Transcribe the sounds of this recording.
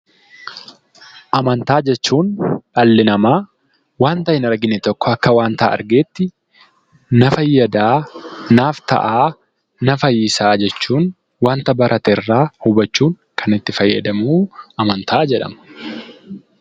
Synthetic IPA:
ʔɐmɐnt̪aːd͡ʒɛt͡ʃːuːnᶑɐlːɪnɐmaː | waːnt̪ɐɪnɐɾɡɪnɛt̪ɔkːɔɐkːɐwaːnt̪ɐ̰ːɐ̰ɾɡeːt̪ːɪ | nɐfɐjːɐd̪aːnaːft̪ɐ̰ʔaː | nɐfɐjɪsaːd͡ʒɛt͡ʃːuːn | waːnt̪ɐbɐɾʔɐt̪ɛrːaːhʊbɐt͡ʃːuːŋ | kʰɐnɪt̪ːɪfɐjːɐd̪ɐmuːɐmɐnt̪ʰaːd͡ʒɛᶑɐ̰mɐ̥

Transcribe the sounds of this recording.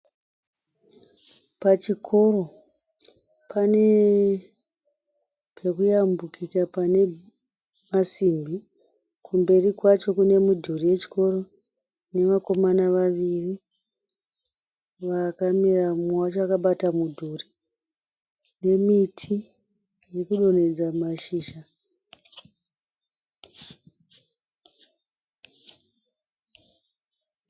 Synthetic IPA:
pat͡ʃikʰo̞ro̞ | pʰane̞ | pʰe̞kujambukikapane̞ | masimbi | kʰumbe̞rikwat͡ʃo̞kune̞mudʱurije̞t͡ʃi̥ko̞ro̞ | ne̞ʋako̞manaʋaʋiri | ʋakamiramat͡ʃakaɓatamudʱuri | ne̞mitʰi | jekuɗo̞ne̞d͡zamaʃiːʃa

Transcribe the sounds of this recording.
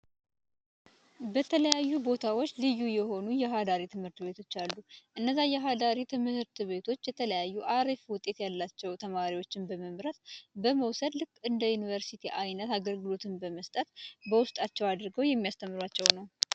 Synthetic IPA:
bət̪ʰələjajːubo̞t̪ʰawot͡ʃːlɨjːujɛho̞nujɛɦad̪aɾit̪ʰɨmhɨɾt̪be̞t̪ʰo̞t͡ʃːalːuʔɨnːəzːajɛɦad̪aɾit̪ʰɨmɨhɨɾt̪ɨβe̞t̪ʰo̞t͡ʃːjɛt̪ʰələjajːuʔaɾifwʊt̪ʼːe̞t̪jalːat͡ʃːɛwt̪ʰəmaɾiwo̞t͡ʃːɪnbəməmɾət̪bəməwsəd̪lɨkʼːɨnd̪əjunivəɾsit̪ʰiʔajnət̪aɡəlɡɨlo̞t̪ʰɨnbəməst̪ʼət̪bəwʊst̪ʼat͡ʃːɛwad̪ɾɡəwjɛmːijast̪ʰəmːɨɾwat͡ʃːɛwnəw

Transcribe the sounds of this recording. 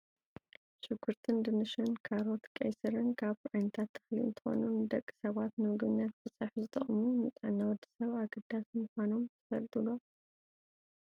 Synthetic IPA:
t͡ʃʼɨɡuɾt̪ʰɨnd̪ɨnɨʃɨnkʰaɾo̞t̪kʼːɐ̰jsɨɾɨnkʰaβʔajnɐt̪ʰat̪ʰːɨ̥xliɨ̰nt̪ʰɨ̥xo̞̰nund̪ɐkʼːɨ̥sɐβat̪nɨmɨɡɨβnːat̪fɨsʼaħzɨt̪ʼɐχʼmumɨt͡sʼʕnːawɔd̪i̥sɐβaɡɐd̪ːasmɨxʷano̞mt̪ʰɨfɐlt̪ʼulom

